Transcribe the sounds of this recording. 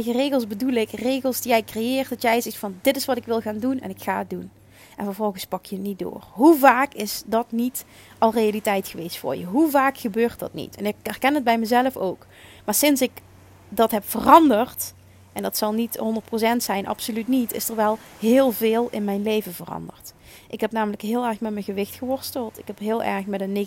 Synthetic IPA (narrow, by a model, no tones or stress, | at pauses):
ɣərejɣəlˠsbədulɪkrejɣəlˠsdijɛjkrejɪːrt̚dɑtjɛjzɛxtfɑndɪtɪsʋɑtɪkʋɪlˠɣaːndunɛ̰nɪkxa̰ːət̚dun | ʔɛnvɔːɹvɔlˠɣəspɑkjənit̚do̰ːrɦuvaːkɪsdɑtnit | ɑlˠrejalitɛjtxəʋejstfʊ̰ːɹjəɦuvaːkxəbøːrtdɑ̰tnḭtɛnɪkɛrkɛnəd̚bɛjməzɛləfo̰wk | maːɹsɪnsɪk | dɑtɦɛpfərɑndərt | ʔɛndɑtsɑlˠnitɦɔndərt̚prowsɛntsɛjnʔɑ̰psolytnitʰɪ̰səɹʋɛlˠ | ɦɪːlˠvɪːlˠɪnmɛjnlejvəvərɑ̰ndə̰rt | ʔɪkɦɛpnaːmələkɦɪːlˠɛɹxmɛtmɛnɣəʋɪxtxəʋɔɹstəlˠtɪkɦɛpɦɪːlˠʔɛ̰ɹxmɛtən